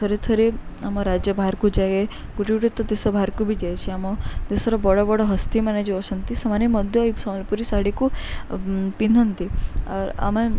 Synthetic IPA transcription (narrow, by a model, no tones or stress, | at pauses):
t̪ʰɔɾet̪ʰoɾeamɔɾad͡ʒjəbʱaɾkud͡ʒajeɡuʈiɡuʈit̪ːɔd̪esɔbʱaɾkubʱid͡ʒajt͡ʃʰiamɔd̪esɔɾɔbɔɽɔbɔɽɔɦɐst̪imaned͡ʒiɔsɐnt̪isɐmanjimɔd̪ʱjɔisɔmɐlpuɾisaɽiku | pinʱənt̪iaɾa̰mẽ